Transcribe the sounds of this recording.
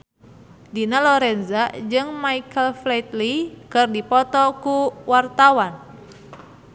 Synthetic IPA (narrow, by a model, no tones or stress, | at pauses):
dinalɔɾɛnzad͡ʒɨŋmaikʰəlflɛt̪likɨrdipɔt̪ɔkuwart̪awan